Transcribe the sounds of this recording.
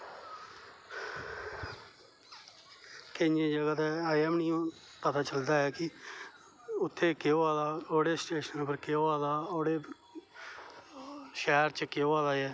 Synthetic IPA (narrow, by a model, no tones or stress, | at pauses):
kenẽːd͡ʒəɡaːt̪ɛːaːɛːmniːõː | pət̪ʰaːt͡ʃəld̪aːɛːkɪ | ʊt̪ʰːeːkɪoaːlaːoːɽeːsʈeːʃənpəɾkeoaːlaːoːɽeː | ʃɛːɾt͡ʃəkɪoaːlaːɛː